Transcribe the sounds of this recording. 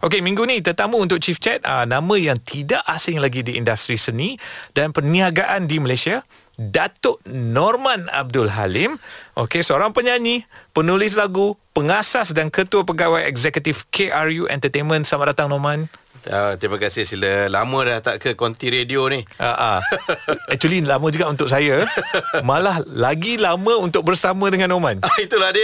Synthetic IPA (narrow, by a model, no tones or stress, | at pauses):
ʔokemĩŋɡunĩt̪ərt̪amũunt̪ʊk̚t͡ʃift͡ʃɛt̪̚a̰nãmə̃jaŋt̪ʰidaʔasɪŋlaɡidiḭndast̪ɾisənidanpərniaɡaʔandiməlasia | dat̪ʊʔnɔrmãna̰b̚dʊlɦa̰lɪmʔo̰kesəoɾaŋpəɲaɲipənulɪs̬laɡupəŋasasdankət̪uap̬əɡawajɛɡzɛkət̪ifkʰeʔarjuʔɛ̰̃nt̪ət̪enmə̃nsamaʔ̚dat̪aŋnomãn | at̪ɾimãkasɪhsiləlamə̃laht̪aʔkəkɔnt̪iɾedionihʔa̰ʔa̰ | ɛk̚t͡ʃualilamə̃d͡ʒuɡaʔunt̪ʊk̚sajamãlahlaɡilamə̃unt̪ʊk̚bərsamə̃dəŋãnːomãnit̪uladi